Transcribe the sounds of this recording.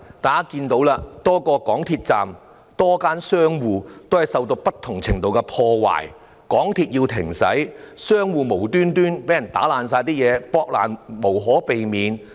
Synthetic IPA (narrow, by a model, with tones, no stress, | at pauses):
t̪aː˨ka˥kiː˧nt̪o˨˥wlaː˧t̪ɔː˥kɔː˧kɔː˨˥ŋt̪ʰiː˧t̚t͡sa̰ː˨m | t̪ɔː˥kaː˥nsœː˥ŋwuː˨˧t̪o˥whɐ˨jsɐ˨˧wt̪o˧wpɐ˥t̪ʰːʊ˨˩ŋt͡sʰɪ˨˩ŋt̪o˨wkɛ˧pʰɔː˧wa̰ː˨˩j | kɔː˨˥ŋt̪ʰiː˧t̚jiː˧wt̪ʰɪ˨˩ŋsɐ̰˨˥jsœː˥ŋwuː˨˧mo˨˩wt̪yː˥nt̪yː˥npe˨˥jɐ˨˩nt̪a̰ː˨˥laː˨ns̬aː˧jt̪iː˥jɛː˨˧pɔː˧k̚la̰ː˨˩nmo˨˩wɦɔː˨˥pe˨jmiː˨˧n